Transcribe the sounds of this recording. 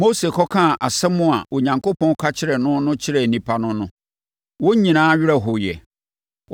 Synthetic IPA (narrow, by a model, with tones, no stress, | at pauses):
mo˦se˨kʰɔ˦kʰã˦˨ʔa˨sɛ˦mʊ̃˦a̰˨ʔo˨ɲã˨ŋko˦pʰɔ̃˦n˦kʰa˦t͡ɕʰɪ˦ɾɛ˨nʊ̃˦nʊ̃˦t͡ɕʰɪ˦ɾɛ˨nĩ˨pʰa˦nʊ̃˦nʊ̃˦ | wo˦ɲĩ˨nãː˨˦ɥɪ˦ɾɛ˦ɦʊ˨jɛ̰˨